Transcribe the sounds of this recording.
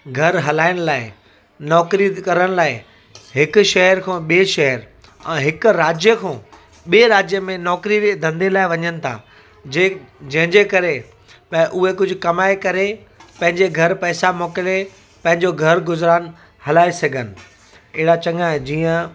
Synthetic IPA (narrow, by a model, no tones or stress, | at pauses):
ɡʱɐɾɦɐlaːɪɽ̃̆laːɪ | nɔːkɾikɐɾəɽ̃̆laːɪ | ɦɪkʊ̆ʃɐɦəɾkʰõːɓieʃɐɦəɾ | ɛ̃ːɦɪkʊ̆ɾaːd͡ʑjəkʰõː | ɓieːɾaːd͡ʑjəmẽnɔːkɾied̪ʱɐ̃nd̪elaːɪʋɐɲənɪ̆t̪ʰa̰ː | d͡ʑeːd͡ʑɐ̃ɦɪ̃ɲd͡ʑeːkɐɾe | pʔʊɦekʊd͡ʑʱʊ̆kɐmaːekɐɾe | pɐ̃ɦɪ̃ɲd͡ʑeɡʱɐɾpɛːsamoːkɪle | pɐ̃ɦɪ̃ɲd͡ʑoɡʱɐɾɡʊzɾaːn̆ | hɐlaːesɐɡʱənɪ̆ | ɪɦɪɾat͡ɕɐ̃ŋɡaɦẽd͡ʑiːə̃